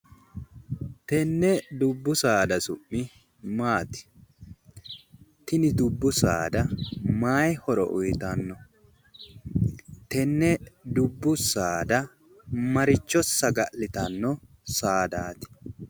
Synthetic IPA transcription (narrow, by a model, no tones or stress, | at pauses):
t̪ɛnːɛd̪ʊbːʊsaːd̪ɐsʊʔːɪ | maːt̪ɪ̥ | t̪ɪnɪd̪ʊbːʊsa̰ːd̪ɐmaːjhɔɾɔ̰ʔʊjt̪ɐnːɔ | t̪ɛnːɛd̪ʊbːʊsaːd̪ɐ | mɐɾɪt͡ʃːɔsːɐɡɐʔlɪt̪ɐnːɔ | saːd̪aːt̪ɪ̥